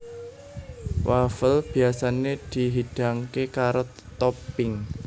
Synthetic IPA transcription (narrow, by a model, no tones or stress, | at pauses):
wafəlb̥i̤asaned̪̥iɦid̥a̤ŋkekaɾo | t̪ɔpɪŋ